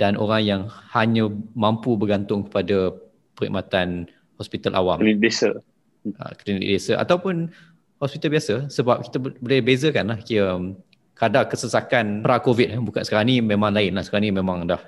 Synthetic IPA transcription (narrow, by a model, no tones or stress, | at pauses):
d̥anʔo̰ɾaŋjaŋhaɲə̃mãmpubəɡant̪ʊŋkə̥pada | pəɾḭmʔat̪an | hɔspit̪alʔa̰wamlibesə | ə̰klinit̪ḭʔbesəʔa̰t̪awpʊn | hɔspit̪albiasəsəbap̚ki̥t̪əbəlabezəkanlahkiə | kadakəsəsakanpɾakovit̪̚bukansə̥kaɾaŋnĩmẽmãŋlaɪnlahsəkaɾãŋnimẽmãŋdah